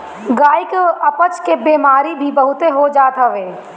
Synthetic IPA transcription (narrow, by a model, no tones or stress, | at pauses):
ɡaːɪkɐpət͡ʃkebeːmaːɾibʱibəɦʊt̪eɦod͡ʒaːt̪aʋeː